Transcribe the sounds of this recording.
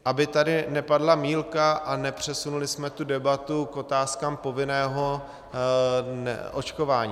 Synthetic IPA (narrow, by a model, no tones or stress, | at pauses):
ʔabɪt̪adɪnɛpadlamiːlkaʔanɛpr̝̥ɛsunulɪsmɛt̪udɛbat̪ukʔo̞t̪aːskaːmpo̞vɪnɛːɦo̞ | nɛ̰ʔot͡ʃko̞vaːɲi